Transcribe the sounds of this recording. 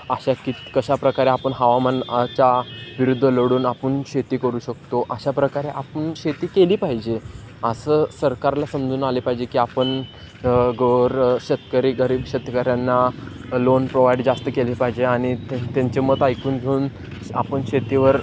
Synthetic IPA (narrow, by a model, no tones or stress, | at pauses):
aɕakit̪kəɕapɾəkaɾeapəɳɦaʋamant͡ɕaʋiɾud̪ʱːələɽuːnapəɳɕet̪iːkəɾuːɕəkt̪oʔəɕapɾəkaɾeʔapəɳɕet̪iːkeliːpaɦid͡ʑe | əsəːsəɾkaɾlasəmd͡zuːnalepaɦid͡ʑekiːapəɳ | ɡəɾɕət̪kəɾiːɡəɾiːbɕət̪əkəɾjanːalonpɾoʋajɖd͡zast̪əkelipaɦid͡ʑeaɽ̃it̪aɲt͡ɕemət̪ajkuːnɡʱeuːn | a̰pəɳɕet̪iʋəɾ